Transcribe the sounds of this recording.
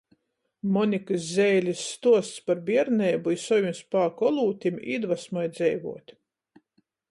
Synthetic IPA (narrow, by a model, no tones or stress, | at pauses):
mɔnʲikɨs̬zʲɛjlʲisːt̪uɔst̪spaɾbiɛɾnʲɛːbuisɔjunspaːkɔlˠuːt̪ʲimḭd̪vasmɔjd̪zɛjvṵɔt̪ʲ